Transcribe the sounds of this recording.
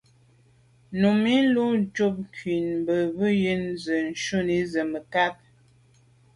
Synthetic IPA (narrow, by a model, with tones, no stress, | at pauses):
nu˨mi˦lu˦d͡ʒu˦˨p̚ŋkɥi˨nmbə˨bə˦ji˦nzə˨n̩˨ʃu˦ni˦zə˨mə˨ka˦p̚